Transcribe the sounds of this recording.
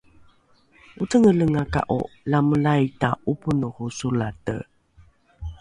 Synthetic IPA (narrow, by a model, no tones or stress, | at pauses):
utəŋələŋaka̰ʔo̰laməlajtaʔupunuhusulatə̰